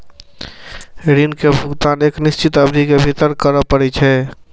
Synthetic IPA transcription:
ɾinkebʱʊɡt̪aːneːknist͡ʃit̪əbd̪ʱikebʱit̪əɾkəɾəpəɾɛt͡ʃʰɛ

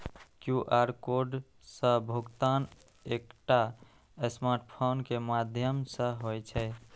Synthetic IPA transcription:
kjuʔaɾkoɖ | sə̃bʱuɡt̪an | ekʈa | esmaɾʈpʰonkemad̪ʱjəmsə̃ɦojt͡ʃʰɛ

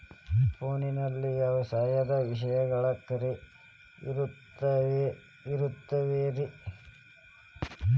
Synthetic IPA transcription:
poːninɐlːijaːʋɐsaːjɐd̪ɐʋiʂɐjɐɡɐɭɐkːɐɾe | iɾutː | ɐe | iɾut̪ːɐʋeːɾi

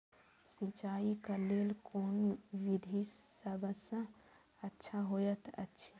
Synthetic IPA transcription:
sĩt͡ʃaːikaleːlkoːnʋid̪ʱisəbʱəsə̃ | ətːʃʰaɦojət̪ʰə̰tːʃʰi

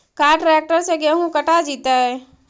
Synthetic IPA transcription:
kaːɾʈɾɛːk̚ʈəɾseɡɛːɦũkəʈad͡ʒiːt̪aɦɛː

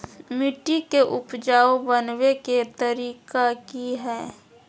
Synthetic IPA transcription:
mɪʈikeʔʊpd͡ʒaːobənweket̪əɾiːkakiɦɛː

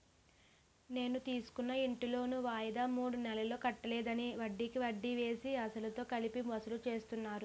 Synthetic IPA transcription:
ne̞ːnut̪iːsu̥kunːɐiɳʈilo̞ːnuʋaːjɐd̪aːmuːɽunɛlɐlo̞ːkɐʈːɐlɛːd̪ɐniʋɐɖːikiʋɐɖːiʋe̞ːsiɐsɐlɐt̪o̞ːkɐlipimɔsɐlut͡ʃe̞ːst̪unːaːɾu

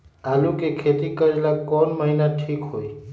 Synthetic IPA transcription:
alukekʰet̪ikəɾlakɔːnməɦinaʈʰiːkɦoːi

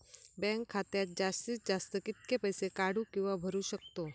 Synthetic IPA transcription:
bɛ̃ŋkʰːaːt̪eat̪d͡ʒast̪isd͡ʒast̪əkɪt̪kepəjsekaɽũkjuʋabʱəɾuʃək̚t̪o

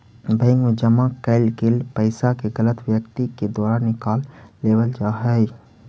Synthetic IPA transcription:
bə̃ɪŋɡd͡ʒəmãkɛɪlɡɪlpəɪsakeɣɐlət̪wjəkt̪iked̪ɔːɾaːnːɪkaːlːeːbəld͡ʒaɦɛ

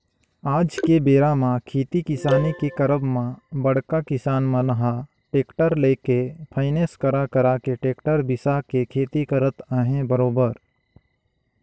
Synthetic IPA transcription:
aːd͡ʒkebeːɾamãkʰeːt̪ikɪsaːnikekəɾəbmãbəɽ̤kakɪsaːnmãlɐɦa | ʈeːkʈəɾleːkepʰaːɪneskəɾakəɾaːkeʈeːkʈəɾbɪsakekʰeːt̪ikəɾət̪aːɦẽbəɾoːbəɾ

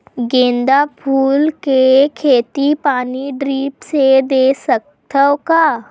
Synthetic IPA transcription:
ɡẽːnd̪apʰuːlkekʰeːt̪ipaːniɖɾiːpsed̪eːsək̚ | t̪ʰəwkaː

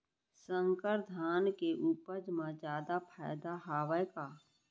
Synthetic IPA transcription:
sə̃ŋkəɾd̪ʱaːnkeʔuːpəɾd͡ʒmãd͡ʒjaːd̪apʰa̰ːɪd̪aɦaːʋəjkaː

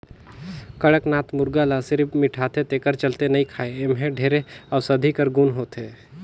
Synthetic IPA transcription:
kəɽəknaːt̪mʊɾɡalasɪɾbmɪʈʰaːt̪et̪eːkəɾt͡ʃəlt̪enəĩkʰaːeemɦɛ̃ɖʱeːɾeəʊsəd̪ʱikəɾɡunɦoːt̪eː

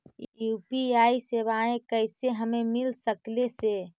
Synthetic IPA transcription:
jupiaiseβaẽkəɪseɦəmemilsəklese

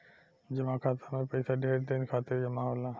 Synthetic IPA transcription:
d͡ʒəmãkʰaːt̪ʰamẽpəɪsaɖʱeːɾd̪eːnkʰaːt̪ɪɾd͡ʒəmãɦoːla

